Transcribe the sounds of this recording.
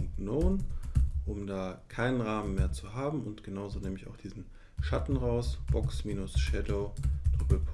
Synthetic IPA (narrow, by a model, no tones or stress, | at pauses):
ŋnoːnʔʊmdaːkʰaɪnənʁaːmənmeːɐt͡suɦaːbm̩ʊntɡ̥ənaʊzonɛːmɪçaʊxd̥iːzn̩ | ʃatn̩ʁaʊsb̥ɔksmiːnʊsʃɛdoʊd̥ʁ̥ɪbl̩pʰ